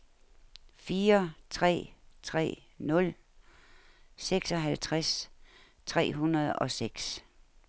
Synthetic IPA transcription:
fiːɐt͡sʰʁɛ̰ːt͡sʰʁɛ̰ː | nɔ̽l | seɡ̥sɒ̽ɦælt͡sʰʁɛs | t͡sʰʁɛ̰ːɦunɐð̞ˠɒ̽seɡ̥s

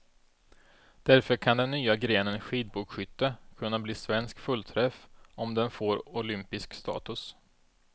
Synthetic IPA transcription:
d̪̥æɾfœɾkʰand̪ɛnːyːaɡɾeːnənɧiːd̪̚buːkɧʏt̪ːəkʰɵnːabliːsvɛnskfɵlt̪ʰɾɛfɔmd̪ɛnfoːɾʊlʏmpɪskst̪ɑ̰ːt̪ɵs

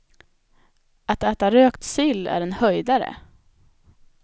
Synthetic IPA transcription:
at̪æːt̪aɾøːkt̪sʏlːæ̰ɾɛnhœjd̪aɾə̰

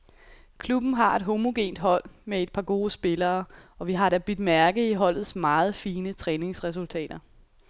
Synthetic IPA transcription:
kʰlub̥n̩ɦɑ̈e̝d̥ɦo̝mo̝ɡ̥e̝̰ːnd̥ɦɒ̽l̰mee̝d̥̚pʰɑ̈ɡ̥o̝ːsb̥e̝lɐːɒ̽ʋiɦɑ̈ɾ̥æb̥yd̥mæɐɡ̥ð̩ˠiɦɒ̽l̰ð̞̩ˠsmɑ̈ːð̞̩ˠfiːnət͡sʰʁɛːne̝ŋsʁɛs̬ult͡sʰɛ̰ːd̥ɐ

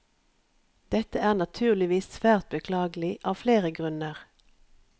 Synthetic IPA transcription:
d̪̥ɛt̪əæːʁnɑt̪ʰʉːʁlɪʋiːssʋæːʁt̪̚bəkʰlɑːɡəlɪʔɑːʋfleːʁəɡʁʉnəʁ

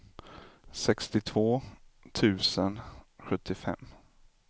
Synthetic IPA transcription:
sɛkst̪ɪt̪ʰv̥oːt̪ʰʉ̟ːsənɧɵt̪ːɪfɛ̰mː

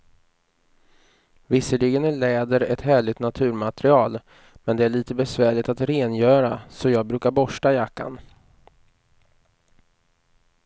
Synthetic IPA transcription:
vɪsːəlɪɡənæɭɛːd̪əɾɛt̪hæːɭɪɡt̪nat̪ʰʉ̟ːɾmat̪ɾɪɑːl | mɛnd̪ɛæɭiːt̪əbɛsvæːɭɪt̪at̪ɾeːnjœːɾasɔjɑːɡ̚bɾʉ̟ːkaɾbɔʂʈajakːa̰n

